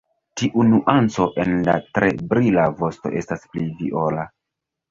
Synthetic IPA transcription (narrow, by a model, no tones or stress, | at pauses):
tiʔunuʔant͡so̞ʔe̞nla̰tɾe̞bɾilavo̞sto̞̰ʔe̞stasplivḭʔola